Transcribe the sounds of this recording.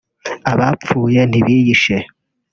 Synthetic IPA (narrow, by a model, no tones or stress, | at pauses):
aβap͡fuːjeniβiːjiʃe